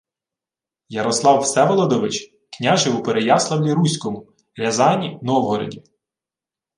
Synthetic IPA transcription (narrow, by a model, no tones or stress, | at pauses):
jɐɾɔslˠɑwsɛʋɔlˠɔd̪ɔʋɪt͡ʃ | knʲaʒɪupeɾejɑslˠɐwlʲiɾusʲkɔmʊ | ɾʲɐzɑnʲinɔwɦɔɾɔ̰dʲi